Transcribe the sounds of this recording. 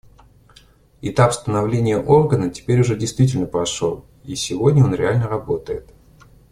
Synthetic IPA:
ɪt̪apst̪ənɐvlʲenʲɪjəʔo̞rɡənətʲɪ̥pʲeɾʲʊʐɛdʲɪjst̪vʲitʲɪlʲnəpɾɐʂo̰lˠ | isʲɪvo̞dʲnʲəo̞nɾʲɪalʲnəɾɐbo̞t̪əɪt̪

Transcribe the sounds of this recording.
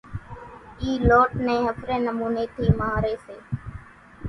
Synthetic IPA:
iːloːʈnẽːɦəpʰɾẽːnəmuːneːt̪ʰiːmaaːɾeːseː

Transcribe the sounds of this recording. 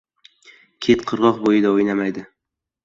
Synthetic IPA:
kʲʰet̪qʰɨɾʁɒqbojɪd̪aojnamajd̪ɪ

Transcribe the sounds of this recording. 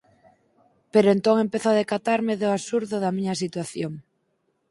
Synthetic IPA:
peɾoent̪oŋempeθʊaðekat̪aɾmeðoasuɾðʊðɐmĩɲɐs̬it̪waθjoŋ

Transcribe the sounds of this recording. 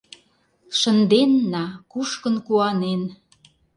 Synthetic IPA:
ʃə̆nd̪enːɑkuʃkənkuɑnen

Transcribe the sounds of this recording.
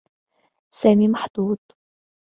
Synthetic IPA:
sæːmimaħd̪̥uːd̪

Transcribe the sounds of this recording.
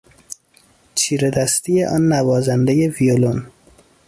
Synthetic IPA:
t͡ʃʰiːɾed̪æst̪ʰijeʔɒːnːævɒːzænd̪eje̞violon

